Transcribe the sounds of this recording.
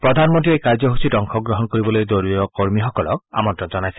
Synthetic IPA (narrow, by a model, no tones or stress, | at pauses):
pɹɔd̪ʱanmɔntiejkaɹzɔɦusitɔŋxʰɔɡɹɔɦɔnkoɹibɔlojd̪oɹujɔkoɹmixɔkɔlɔ̰ka̰mɔntɔnzɔnajsɛ